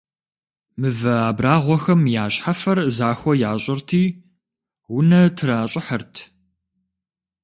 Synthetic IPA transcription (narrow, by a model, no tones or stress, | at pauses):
mɨvɐaːbraːʁʷɔxɐmjaːɕħafɐrzaːxʷɔjaːɕʼɪrtʰiː | wʊnɐtʰɨɾaːɕʼɪħərtʰ